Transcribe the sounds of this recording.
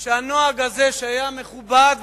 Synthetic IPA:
ʃeanoaɡazeʃeajameχubad̪

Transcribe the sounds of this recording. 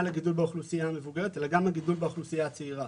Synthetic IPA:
laɡidulbeoχlusijaːmevuɡeʁ̞et̪elaɡamaɡid̪ulbeoχlusijat͡seiʁa

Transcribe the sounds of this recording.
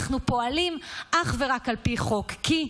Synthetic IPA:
χnupo̞alimʔaχve̞ʁakalpiχo̞kːi

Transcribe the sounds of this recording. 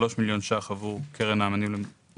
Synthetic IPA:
lo̞ʃmiljo̞nʃaχavuʁkʰeʁenaːmanimle

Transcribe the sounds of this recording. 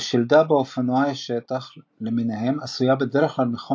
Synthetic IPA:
ʃild̪abeofanuajaʃet̪aχ | leminehe̞masujabed̪eɾeχlalmeχo

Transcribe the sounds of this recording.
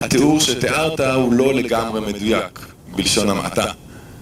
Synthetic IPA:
hat̪euʁʃet̪eʔaʁt̪ahulo̞leɡamʁe̞me̞dujak | bilʃo̞namʔa̰t̪a

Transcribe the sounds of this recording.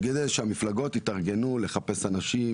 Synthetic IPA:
ɡed̪ejʃeamiflaɡo̞t̪it̪aʁɡe̞nule̞χape̞sanaʃi

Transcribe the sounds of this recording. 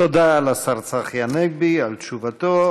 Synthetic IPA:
od̪aːlasaʁt͡saχjaneɡ̚bialt̪t͡ʃuvat̪o

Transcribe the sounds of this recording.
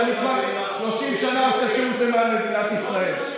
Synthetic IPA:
nukvaʁ | ʃlo̞ʃimʃanaːsaʃeut̪lemalːed̪inat̪isʁael

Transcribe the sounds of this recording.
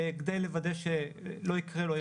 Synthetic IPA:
ɡd̪ajlevad̪eʃelo̞ikʁelo

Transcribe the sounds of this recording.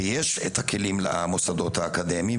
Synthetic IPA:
jeʃet̪hakʰe̞limlḛʔamosad̪o̞t̪haːkad̪e̞mi

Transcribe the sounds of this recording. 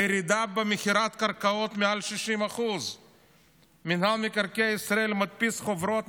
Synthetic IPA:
ɾid̪abemexiɾat̪kaɾkaot̪mealʃiʃimaχuz | minhamikaɾkejaisɾaelmat̪̚pisχovɾot̪

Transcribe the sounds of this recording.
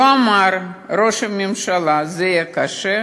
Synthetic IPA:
amarɾoʃɐmimʃalˠazɛjɛkaʃɛ

